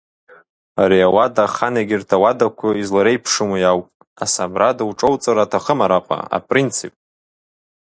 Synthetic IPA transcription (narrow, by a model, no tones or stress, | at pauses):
aɾiawadaχaneɡʲɪrtʰawadakʷʰʊizlaɾejpʰʂɨmujawpʼ | asabradɨwʈ͡ʂʼowt͡sʼaɾatʰaχəmaɾaqʼa̰a̰pʼrint͡sʰipʼ